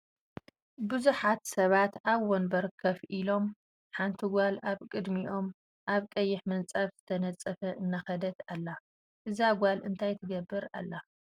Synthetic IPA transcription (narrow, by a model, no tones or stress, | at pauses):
bɨzuħat̪sɐβat̪aβwonbɐɾɨkʰːɐβʔilo̞m | ħant̪ʰiɡʷalaβkʼɨd̪miʔo̞m | ʔaβkʼɐjːɪħmɐnt͡sʼaβz̥ɨ̥t̪ʰɐnɐt͡sʼɐfɐʔɨnːaxɐd̪ɐt̪alːa | ʔɨzaɡʷalʔɨnt̪ʰajt̪ʰɨɡɐbːɨɾa̰lːa